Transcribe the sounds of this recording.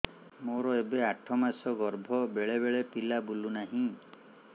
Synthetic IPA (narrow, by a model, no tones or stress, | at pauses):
moɾɔebeaʈʰɔmasɔɡɔɾbʱɔbeɭebeɭepilabulunaɦĩ